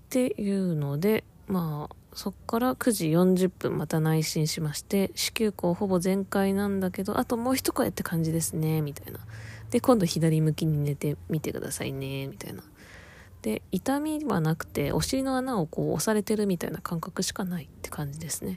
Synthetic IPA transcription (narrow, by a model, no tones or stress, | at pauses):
t̪e̞jɯ̟ːno̞d̪e̞ | maːso̞kːaɾakɯ̟ʑijõ̞ɲd͡ʑɨpːɯ̟̃mmat̪anaiɕĩɰ̃ɕimaɕi̥t̪e̞ɕi̥kʲɨːko̞ːho̞bo̞zẽ̞ŋkainãnd̪ake̞d̪o̞̰ʔat̪o̞mo̞ːçi̥t̪o̞̥koḛt̪ːe̞̥kʰãɲ̟d͡ʑid̪e̞sɨne̞mʲit̪aḭnad̪̥e̞kõ̞nd̪o̞çid̪aɾʲimɯ̟kʲiɲ̟ine̞t̪e̞mʲit̪e̞kɯ̟̰d̪a̰sa̰ḭne̞mʲit̪a̰ḭna | d̪̥e̞it̪amʲiβa̰nakɯ̟̥t̪e̞ʔo̞̰ɕiɾʲino̞anao̞ko̞ːo̰saɾe̞t̪e̞ɾɯ̟mʲit̪a̰inakãŋkakɯ̟ɕi̥kanait̪ːe̞̥kãɲ̟d͡ʑid̪e̞sɨ̥ne̞